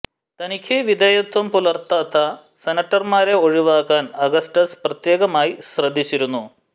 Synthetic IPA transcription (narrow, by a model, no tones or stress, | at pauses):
t̪ɐnikʲʰjiʋid̪ʱeːjɐt̪wɐmpulɐrt̪ːaːt̪ʰːɐ | senɐʈːɐrmaːɾe̞o̞ɻiʋaːkːaːnɐɡɐsʈɐsprɐt̪je̞ːɣɐmaːjisrɐd̪ʱːit͡ɕːiɾunːu